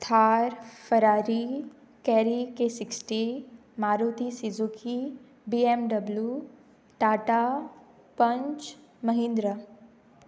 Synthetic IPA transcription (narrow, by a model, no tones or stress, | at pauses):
t̪ʰaːɾfəɾaːɾi | kɛːɾikesɪksʈi | maːɾuːt̪isizukʰi | biemɖɐblju | ʈaːʈa | pɐɲt͡ʃ | mɐɦĩnd̪ɾə